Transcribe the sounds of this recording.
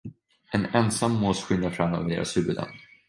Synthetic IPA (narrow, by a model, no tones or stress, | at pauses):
ɛnɛnsamːɔːsɧʏnd̪afɾamːø̰ːvəɖḛːɾʔa̰sʉːbəlɛ̰nd̪